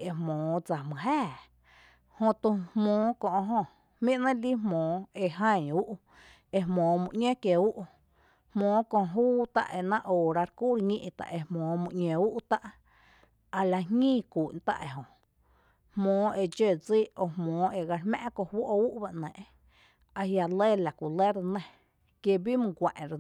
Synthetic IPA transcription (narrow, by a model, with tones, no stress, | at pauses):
e˧˨hmõː˨˦d͡za˨mɨ̃˨ɦɛː˦˨ | hõ˧t̪u˧hmõː˨˦kõ˧ʔɦõ˧ | mĩ˦ʔnã˦li˦ɦmõː˨˦e˧ɦã˦˧˨ɲu˦ʔ | e˧hmõː˨˦mũ˧ʔɲẽ˦kje˨u˦ʔ | hmõː˨˦kõ˧ʔɦuː˦t̪a̰˦ʔe˧nã˦ʔoː˨ɾa˧ɾku˦ɾɲĩ˦˧ʔt̪a̰˨ʔe˧hmõː˨˦mũ˧ʔɲʲẽ˧u˦ʔt̪a˦ʔ | a˧la˧ɦŋĩː˦˨ku˨ʔnt̪a̰˧ʔḛ˨ɦõ˨ | hmõː˨˦e˧d͡ʒe˧˨d͡zi˦o˧˨hmɔ̃ː˨˦e˨ɡa˧ɾmã̰˦ʔkõ˧hwo˦ʔu˦ʔba˧ʔnɛ̃ː˨ʔ | a˧ɦja˧le˦˨la˨kʷu˨le˦ɾnẽ˧ | kje˧bi˦mɨ̃˧ɡʷã˨ʔɾ